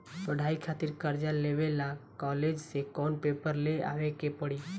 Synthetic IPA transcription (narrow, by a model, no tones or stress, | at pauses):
pəɽ̤ʱaikʰat̪iɾkəɾd͡ʒalebelakɔled͡ʒsekɔnpepəɾlea̰ʋekepəɽi